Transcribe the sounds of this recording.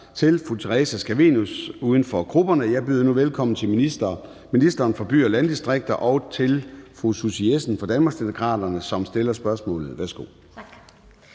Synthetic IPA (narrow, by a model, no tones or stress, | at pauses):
t͡sʰe̝lfʁut͡sʰeʁɛsæsɡ̥æʋḭnusuːðˠən̩fɒ̽ɡ̥ʰʁub̥ɐnəjɑ̈ɪb̥yðˠnuʋelkʰɒ̽m̰n̩t͡sʰe̝lminisd̥ɐː | minisd̥ɐːnfɒ̽b̥y̰ːɒlænd̥isd̥ʁeɡ̥̚d̥ɐʔɒ̽ʊt͡sʰe̝lfʁususiesn̩fɒ̽d̥ænmɑ̈ɡ̥sd̥imokʰʁɑ̰̈d̥ɐnəsɒ̽msd̥e̝lɐsb̥ɶɐsmɔ̰̽ːlð̩ˠʋæɐsɡ̥o̝̰